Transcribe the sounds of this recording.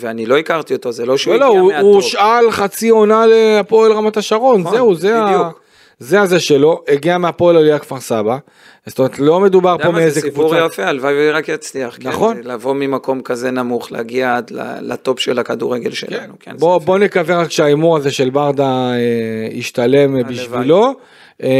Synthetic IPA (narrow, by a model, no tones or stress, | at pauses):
veanilo̞ikaʁt̪iot̪ozeloʃeolouʃalχat͡sio̞naleapo̞elʁamat̪aʃaʁo̞nzeuzeau | ze̞azeʃe̞lo̞eɡiameapoelaliakv̥aʁsaba | st̪ome̞et̪lo̞me̞d̪ubaʁpo̞meezekvut͡sjafealvajveʁakjat͡sliaχknaχo̞nlavo̞mimako̞mkaze̞namuχlḛɡiaad̪la̰la̰t̪o̞pʃelakad̪uʁeɡelʃḛkannukbobo̞ne̞kaveʁakʃeaimuʁaze̞ʃe̞lbaʁd̪aeḭʃt̪ale̞mbiʃvilo̞